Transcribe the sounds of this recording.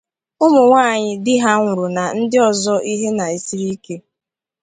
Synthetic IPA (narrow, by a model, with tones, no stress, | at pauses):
ʊ˦mʊ˨ŋʷaː˦˨ɲɪ˦dɪ˦ɦa˦ŋʷʊ˨ɾʊ˨na˨n̩˦dɪ˦ɔ˨zɔ˦ʔi˦ɦe˦na˨e˨si˦ɾi˦ke˦